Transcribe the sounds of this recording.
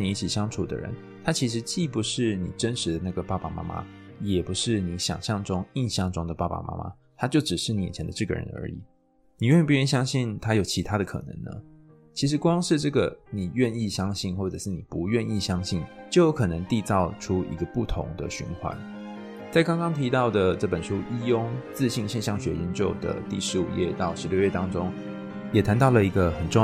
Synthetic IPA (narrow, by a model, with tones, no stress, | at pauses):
ni˨˩i˥˩t͡ɕʰi˨˩ɕjɑ˥ŋʈ͡ʂʰu˨˩d̪ə̰˦ɻə̰˧˦n | t̪ʰa˥t͡ɕʰi˧˥ʂ̬ɻ̩˧˥t͡ɕi˥˩pu˨˦ʂɻ̩˥˩nḭ˨˩ʈ͡ʂə˦nʂɻ̩˧˦d̪ə˨˦na˥˩ɡə˩pa˥˧˩pa˨ma̰˥ma̰˦ | jɛ˨˩pu˧˦˥ʂɻ̩˥˩ni˧˥ɕjɑ̰˨˩ŋɕjɑ˥˩ŋʈ͡ʂʊ˦˥ŋi˥˧nɕjɑ˥˨˩ŋʈ͡ʂʊ˦ŋd̪ə˨˩pa˥˩pa̰˨mʔa̰˥mʔa̰˦ | t̪ʰa˥t͡ɕjo˥˩ʊʈ͡ʂɻ̩˨˩ʂɻ̩˥˩ni˧˩jɛ˨˩t͡ɕʰɛ˧˦nd̪ə˧ʈ͡ʂɤ˥˩ɡə̰˩ɻə̰˧˦nə̰˞˧˥ḭ˨˩˦ | ni˨˩ɥɛ˥˧n˥pu˧jɛ˥˧ni˥˩ɕjɑ˥ŋɕi˥˩nt̪ʰa˥jo˨ʊt͡ɕʰi˧˥t̪ʰa˥d̪ə˨kʰɤ̰˨˩nə̰˧˦ŋnə̰˦ | t͡ɕʰi˧˥ʂ̬ɻ̩˧˥kwɑ˥ŋʂɻ̩˥˧ʈ͡ʂɤ˥˩ɡə˩ni˨˩ɥɛ˥˧ni˥˩ɕjɑ˥ŋɕi˥˧nxwɔ˥˩ʈ͡ʂɤ˨˩ʂɻ̩˥˩ni˨˩pu˧˦ɥɛ˥˧ni˥˩ɕjɑ˥ŋɕi˥˩nt͡ɕo˥ʊjo˦˥kʰɤ˨˩nə˧˦ŋt̪i˥˧t͡sɑ˥˩ʊʈ͡ʂʰu˥ḭ˧˥ɡə˧pu˥˩t̪ʰʊ̰˧˥ŋd̪ə̰˨ɕy̰˧˥nxwa̰˧˦n | t͡sa˥˩ɪkɑ˥ŋkɑ˥ŋt̪ʰi˧˥t̪ɑ˥˩ʊd̪ə˩ʈ͡ʂɤ˥˩pə˨˩nʂu˦˥ʔi˥jʊ˥ŋt͡sɹ̩˥˧ɕi˥˧ŋɕjɛ˥˧nɕjɑ˥˩ŋɕɥɛ̰˧˥jɛ˧˦nt͡ɕjo˥˧ʊd̪ə̰˩t̪i˥˩ʂɻ̩˧˥ṵ˨˩jɛ̰˥˧t̪ɑ˥˩ʊʂɻ̩˧ljo˥˧ʊɥɛ˥˩t̪ɑ˥ŋʈ͡ʂo˥ŋ | jɛ˨˩t̪ʰa˧˦nt̪ɑ˥˩ʊlə˩i˧˥ɡə˧xə˨˩nʈ͡ʂʊ˥